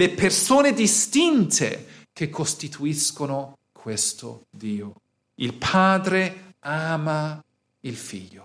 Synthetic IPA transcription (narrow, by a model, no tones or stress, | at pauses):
lepersoːned̪ist̪int̪ʰḛkekʰːost̪it̪ʰuiskono | kʰwest̪o̰d̪iːo | ilpʰaːd̪ɾeaːma | ilfḭʎːo